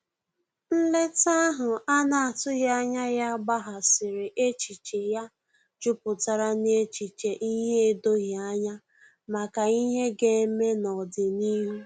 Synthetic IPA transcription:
n̩˦le˦ta˦ɦʊ˨a˦na˨a˨tʊ˦ɣja˦ɲa˦ja˦ɡ͡ba˦ɦa˨sɪ˨ɾe˨ʔe˦t͡ʃi˨t͡ʃe˨ja˦ | d͡ʒʊ˦pʊ˨ta˦ɾa˦n˦e˦t͡ʃi˨t͡ʃe˨ʔi˦ɦe˦e˦do˦ɣa˦ɲa˦ | ma˨ka˨i˦ɦe˦ɡe˦me˦nɔ˨dɪ˨ni˦ɦu˦

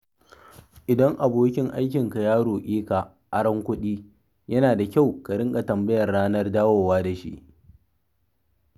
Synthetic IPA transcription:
ʔɪ˨dɐ˦ŋʔa˨boː˦kʲɪ˦ŋʔa˦jkʲɪ˨ŋka˨jaː˦ɽoː˨ʔʲiː˦ka˨ | ʔa˦ɽɐ˦ŋkʷʊ˦ɗiː˦ | jɐ˦naː˨da˨kʲa˦˨wka˨ɽɪ˦ŋkʼa˨tɐ˨mbɐ˦jɐ˨rːaː˦nɐ˦rdaː˦woː˨waː˦da˨ʃḭ˦ʔ

